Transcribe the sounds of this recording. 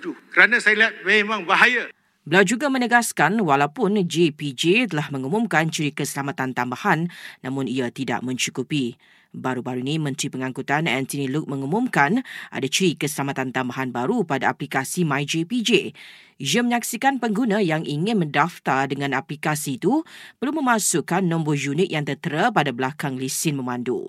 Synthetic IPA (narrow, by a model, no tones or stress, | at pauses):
t̪ukəɾanãsajaliɦat̪̚memãŋbaɦaja | bəlawd͡ʒuɡamə̃nəɡaskanwalawpʊnd͡ʒepid͡ʒet̪əlahmə̃ŋumʊ̃mkant͡ʃɾikəsəlamat̪ant̪ambahanːã̰mʊ̃niat̪ida̰ʔmə̃ɲt͡ʃukupi | baɾubaɾunĩmə̃nt̪ɾipəŋãŋkut̪anɛ̰nt̪uniluk̚mə̃ŋumʊ̃mkanʔa̰dat͡ʃɾikəsəlamat̪ant̪ambaɦanbaɾupadaaplikasimajd͡ʒepid͡ʒe | ijəmə̃ɲak̚sikanpəŋɡunãjaŋʔiŋɪ̃nmə̃ndaft̪ardəŋãnaplikasiːt̪upəɾlumə̃mãsukanːɔ̃mbɔd͡ʒunɪk̚jaŋt̪ət̪əɾapadablakaŋlisɪnmə̃mãndṵ